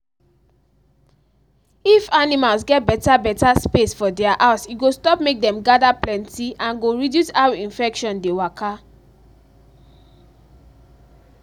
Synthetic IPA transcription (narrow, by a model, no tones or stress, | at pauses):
ifanimalsɡɛt̚bɛtabɛtaspesfɔdɛaʔaʊsiɡostɔpmek̚dɛ̃mɡadaplɛ̃ntiʔãnɡoɹidjusaʊĩnfɛkʃɔ̃ndewakʰa